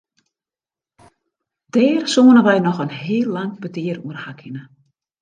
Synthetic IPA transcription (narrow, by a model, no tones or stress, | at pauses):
d̥ɛːrsoːənəʋɛjnɔxənɦɪːlˠːaŋbədiəruərhakʰɪnə